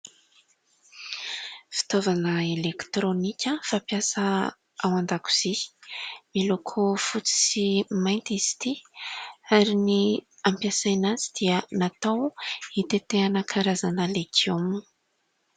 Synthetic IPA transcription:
fi̥t̪ovanəelekt̪ɾonikʲəfapjasə | awand̪aku̥z̥i | milokʰufut͡si̥simajnt̪iz̥i̥t̪i | aɾiniampjasajnazid̪̥iənat̪awit̪et̪eanəkʰaɾazanəlekom

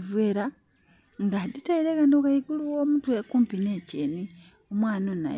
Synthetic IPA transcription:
vweːɾa | ŋɡaditeiɾeɣandokajiɡuluwoːmutwekuːmpineːceni | omwaːnona̰

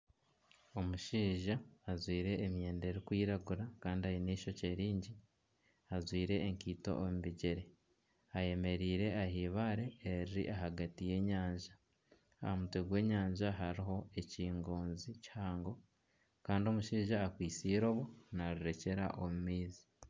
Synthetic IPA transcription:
o̞muʃiːʒaːzwiːɾe̞ːmje̞ːnde̞ɾikwiːɾaɡuɾakaːndihajiniːʃo̞ce̞ːɾiːɲɟi | azwiːɾe̞ːŋkiːto̞̰ʔomuβiɟeɾe̞ | aje̞me̞ɾiːɾe̞ahiːβaɾe̞ːɾiɾḭʔaɦaɡatije̞ːɲaːɲʒa | a̰hamutweɡwe̞ːɲaːɲʒaɦaɾiɦo̞e̞ciːŋɡoːnzichaːŋɡo̞ | kaːndio̞muʃiːʒaːkwiːsiːɾo̞βo̞naɾiɾe̞ce̞ɾa̰ʔomumiːzi̥

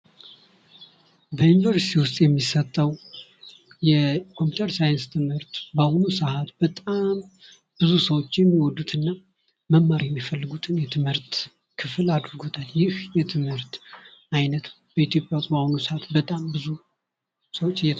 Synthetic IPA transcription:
bəjunivəɾsi̥t̪ʰiwʊst̪ʼjɛmːisət̪ʼːəw | jɛkʰo̞mpju̥t̪ʰəɾsajɨnst̪ʰɨmhɨɾt̪bəhonusəhat̪b̥ət̪ʼam | b̥ɨzusəwot͡ʃːjɛmːiwɔd̪ːut̪ʰɨnːa | məmːaɾijɛmːifəlːɨɡut̪ʰɨnjɛt̪ʰɨmhɨɾt̪ | kʰɨfɨlad̪ɾɨɡot̪ʰaljɪhjɛt̪ʰɨmhɨɾt̪ajnət̪ | b̥əit̪jo̞pʼjawt̪ʼbəhonusəhat̪bət̪ʼambɨzu | səwot͡ʃːɨjɛ

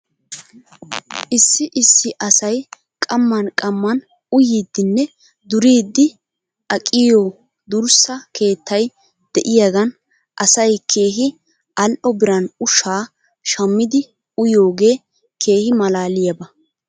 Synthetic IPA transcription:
ʔɪsːɪʔɪsːɪʔɐsɐj | kʼɐmːɐnkʼɐmːɐn | ʊjiːd̪ːɪnːɛ | d̪ʊɾiːd̪ːɪ | ʔɐkʼɪjoː | d̪ʊɾsɐkʰe̞ːt̪ʰːɐj | d̪̥ɛʔɪjaɡɐn | ʔɐsɐjkʰe̞ːɦɪ | ʔɐlʔɔbɪɾɐnʊʃaː | ʃɐmːɪd̪ɪ | ʊjo̞ːɡe̞ː | kʰe̞ːhɪmɐlaːlɪjɐbɐ

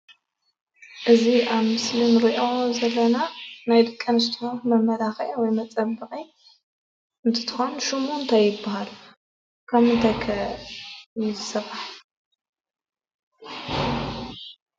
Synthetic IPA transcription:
ʔɨziʔaβmɨslinɾiʔozɐlːɐnanajd̪ɨkʼːɐnɨs̬t̪ʰiomɐmɐlaxɐjwɔjmɐt͡sʼɐbɨqʼi | ɨnt̪ʰɨ̥t̪ʰɨ̥xonʃumunt̪ʰajːɪbːaɦalu | kʰɐβɨnt̪ʰɐkʰɐ | ɪzɨsɐβaħ

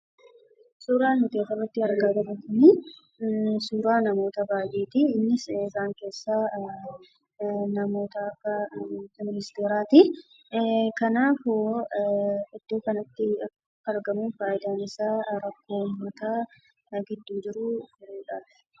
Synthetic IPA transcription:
suːɾaːnmʊt̪eːfɐrːɐt̪ːɪɐɾɡaːɡ̪ɐɾɐkʊni | suːɾaːnɐmo̞ːt̪ɐbaːjeːt̪ɪɪnːɪsɪzaːŋke̞ːsːaː | nɐmo̞ːt̪ɐːkːɐmɪnɪst̪e̞ːɾaːt̪ɪ | kɐnaːfʊ | ɪd̪̥ːo̞ːkɐnɐt̪ːɪɐkː | ɐɾɡɐmuːnfaːjɪd̪aːnɪsaːɾɐkːo̞ːmːɐt̪aː | ɡɪd̪ːuːd͡ʒɪɾʊfɪɾeːᶑḁː

